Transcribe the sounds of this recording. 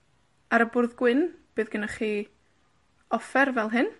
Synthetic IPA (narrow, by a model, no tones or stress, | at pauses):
aɾəbʊrðɡwɪnb̥ɨːðɡənaχi | ɔfɛrvɛlˠɦɨn